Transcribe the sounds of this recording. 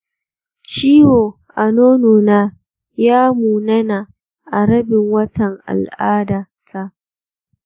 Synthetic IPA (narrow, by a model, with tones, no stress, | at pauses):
t͡ʃiː˦woː˨ | ʔa˨noː˦noː˨naː˦ | jaː˦muː˨nɐ˦na˨ | ʔa˨ɽɐ˦bɪ˨ŋwɐ˦tɐ˨ŋʔa̰˨lʔaː˦daː˨ | tʰa˦ʔ